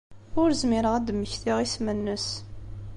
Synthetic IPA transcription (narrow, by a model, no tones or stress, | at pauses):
ʊɾzmɪɾəʁæd̪mːəçθiʁismənːəs